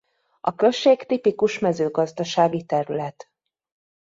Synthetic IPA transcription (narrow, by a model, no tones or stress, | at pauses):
ɒkø̞lʃeːkt̪ipikuʃmɛzøːɡɒzd̪ɒʃaːɡit̪ɛɾylɛt̪